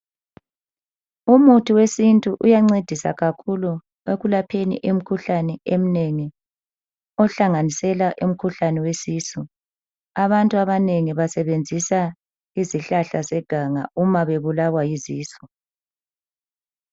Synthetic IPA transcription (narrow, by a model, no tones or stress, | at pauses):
umutʰiwesintʼuʔujaŋ͡ǀed̥ʱisa̰ɣakʰulu | eɣulapʰenḭʔem̩kʰuɬanɛem̩neŋi | ɔɬaŋanisɛlaʔum̩kʰuɬanɛwesiːsu | aβantʼuaβaneŋiβasɛβend͡zʱisa | iziɬaɬasɛɡ̥ʱaŋa̰umaβeβulawajiziːsɔ